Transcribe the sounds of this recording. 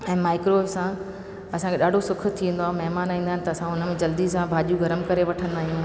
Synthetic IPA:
ɛ̃ːmaːɪkɾoːbsã | ɐsãŋkʰeɗaːɖʱosʊkʰʊ̆t̪ʰĩʋẽnd̪oãːmɐɦmaːnaːĩːnd̪aːɪnɪ̆t̪ɐːsãɦʊnəmẽd͡ʑɐld̪isãbʱaːʄijuɡɐɾəmkɐɾeʋɐʈʰə̃nd̪aːɦijũ

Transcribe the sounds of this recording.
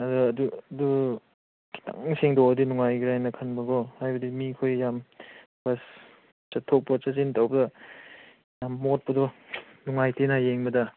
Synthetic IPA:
ɐduɐduɐdu | ki̥ta̰ŋseŋdɔwɐdinuŋajɡiɾajnɐkʰɐnbɐɡɔhajbɐdimikʰojjam | bas | t͡ʃɐtʰːok̚pɐt͡ʃazintawbɐdɐ | jamːot̚pɐdɔnuŋajtenajeŋbɐdɐ

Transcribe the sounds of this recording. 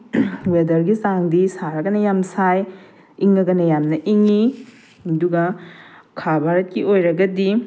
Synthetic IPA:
wedɐɾɡisaŋdisaɾɐɡɐnɐjamsaj | iŋɐɡɐnɐjamnɐʔiŋi | ɐduɡɐkʰabʱaɾɐt̚kiʔojɾɐɡɐdi

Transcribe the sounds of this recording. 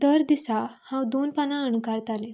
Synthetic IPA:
d̪əɾd̪isahãwd̪onpanãəɳkaɾt̪ale

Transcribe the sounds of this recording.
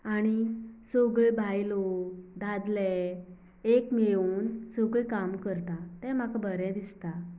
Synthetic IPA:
aɽ̃isoɡɭebʱajlod̪ad̪lɛ | ekmeuːnsɔɡɭikamkəɾt̪at̪ɛ̃m̤akabʱəɾɛd̪ist̪a

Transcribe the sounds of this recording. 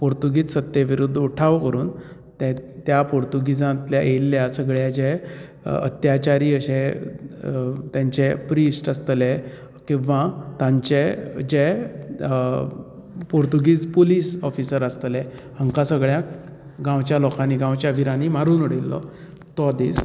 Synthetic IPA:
poɾt̪uɡiːt͡ssət̪jeʋiɾud̪ʱːuʈʰaʋkəɾuːn | t̪ɛt̪japoɾt̪uɡid͡zãt̪ljaʔelːjasəɡɭjad͡ʑɛ | ə̰t̪jat͡ɕaɾiːəɕe | t̪jãɲt͡ɕepɾisʈəst̪lɛ | kĩʋat̪ãɲt͡ɕed͡ʑe | poɾt̪uɡiːd͡zpoliːsɔfisəɾəst̪lɛ | əŋkasəɡɭja | ɡãwt͡ɕjalɔkãniːɡãwt͡ɕjaʋiɾaniːmaɾuːnuɽelːɔ̰ | t̪ɔd̪ḭːs

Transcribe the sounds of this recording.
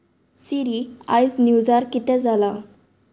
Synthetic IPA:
siɾiajsnjud͡zaɾkit̪ɛ̃d͡zala

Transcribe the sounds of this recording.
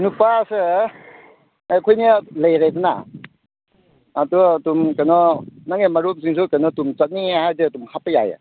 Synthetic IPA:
nupasɯ | ajkʰɔjnilajɾajdɯna̰ | duatumkanɔnaŋemaɾuk̚ziŋs̬ukanɔtumt͡sat̚nihajzɯadumhapɯja̰ja̰

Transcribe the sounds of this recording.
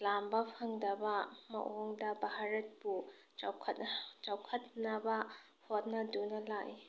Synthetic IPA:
lambɐpʰɐŋdɐbɐmɐ̰ʔoŋdɐbaɦaɾɐt̚pu | t͡ʃawkʰtt͡ʃawkʰɐt̚nɐbɐ | hot̚nɐdunɐlaj

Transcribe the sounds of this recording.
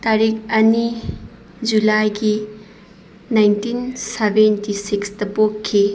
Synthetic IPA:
taɾikɐni | d͡ʒulajɡi | najntinsebentisikstɐpokkʰːi

